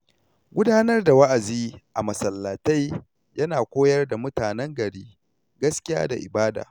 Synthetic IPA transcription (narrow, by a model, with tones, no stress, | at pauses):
ɡʷʊ˦daː˦nɐ˦rda˨wɐ˦ʔa˨ziː˦ʔa˨mɐ˨sɐ˨lːa˨ta˦j | jɐ˦naː˨kʷoː˦jɐ˦rda˨mʊ˦taː˨nɛ˦ŋɡɐ˨ɽiː˦ | ɡɐ˦skʲɪ˦ja̰ː˦da̰˨ʔɪ̰˨baː˦da̰ː˨